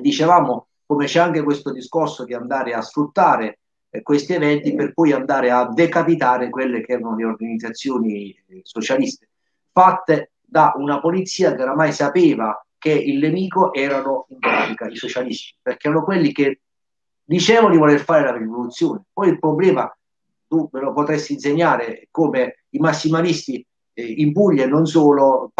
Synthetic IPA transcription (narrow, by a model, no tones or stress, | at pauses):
d̪it͡ʃevaːmo | komet͡ʃɛaŋk̟ekwest̪od̪iskorsod̪iand̪aːɾeasfɾut̪ːaːɾe | kwest̪iɛvɛnt̪iperpɔjand̪aːɾead̪ekapit̪aːɾekwelːek̟ɛːɾanoleorɡanid̪zːat̪sːjoːni | sot͡ʃalist̪e̥ | fat̪ːe | d̪aʔunapolit̪sːiːakeoɾamajsapeːvakeilːemiːkoʔɛːɾanoimpɾa̰ːt̪ikaisot͡ʃalist̪i̥perkeɛːɾanokwelːik̟e | d̪it͡ʃɛːvand̪ivolerfaːɾelarrivolut̪sːjoːnepɔjilpɾoblɛːma | t̪umɪlopot̪ɾɛst̪inseɲːaːɾekoːme | imasːimalist̪i | impuʎːenːons̬oːlo